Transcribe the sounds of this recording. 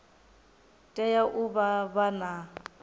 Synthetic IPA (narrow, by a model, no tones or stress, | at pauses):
tʼɛjaʔʊbabana